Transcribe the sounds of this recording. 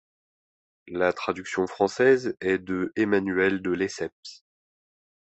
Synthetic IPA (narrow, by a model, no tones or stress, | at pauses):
lat̪χad̪yksjɔ̃fχɑ̃sɛzɛd̪əemanyɛld̪əlesɛps